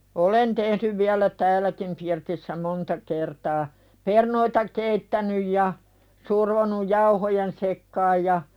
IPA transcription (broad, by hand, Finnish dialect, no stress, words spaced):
olen tehnyʋ ʋiælæ tæːlækim pirtisːæ montɑ kertɑː pernoitɑ keitːænyj jɑ surʋonuj jɑuhojen sekːɑːj jɑ